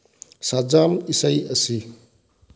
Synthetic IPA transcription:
sad͡ʒamisəjɐsi

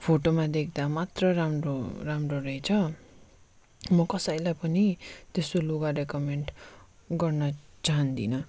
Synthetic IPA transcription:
pʰoʈomad̪ek̚ʰd̪amat̪rʌramroramroɾʌjt͡sʰʌ | mʌkʌsʌjlajpʌnit̪esoloɡarekʌmeɳʈɡʌrnʌt͡saɦʌnd̪ḭnʌ

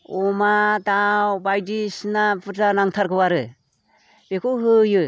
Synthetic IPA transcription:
ɔmadawbajdisnapɯtanaŋtʰaɾkʰɯwaɾɯ | b̥ekʰowɦɯjɯ

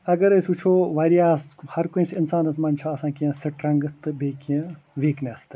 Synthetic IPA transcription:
ɐɡɐɾɐsʲut͡ʃʰoːʋɐːɾijaːshɐɾkoĩsinsaːnɐsmɐnt͡ʃʰaːɐsãːkiɐ̃sɐʈɾɐ̃ŋɡɨt̪ɨbeːkiẽ | ʋiːknʲɐst̪ɨ

